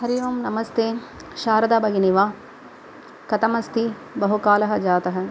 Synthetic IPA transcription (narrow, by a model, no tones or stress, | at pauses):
ɦɐɾiʋɐːmnɐmɐst̪eːʃaːɾɐd̪aːbɐɡiniʋaː | kɐt̪ɐmɐst̪i | bɐɦukaːlɐɦɐ̆d͡ʒaːt̪ɐɦɐ̆